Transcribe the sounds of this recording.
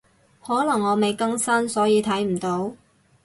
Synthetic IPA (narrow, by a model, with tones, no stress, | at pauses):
hɔː˨˥lɐ˨˩ŋːɔː˨˧me˨jkɐ˥ŋsɐ˥nsɔː˨˥jiː˨˧t̪ʰɐ˨˥jm̩˨˩t̪o˨˥w